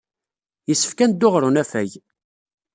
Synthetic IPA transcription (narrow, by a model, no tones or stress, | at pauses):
jəsːə̥fkænd̪ːʊʁɾʊnæfæj